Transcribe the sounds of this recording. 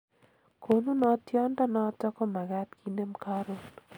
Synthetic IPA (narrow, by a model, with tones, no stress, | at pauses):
kʰo˨nu˦nɔ˦tjɔ˦ndɔ˦nɔ˦tɔ˦kɔ˦ma˨ɡa˦tki˦nde˦mkaɾo˨n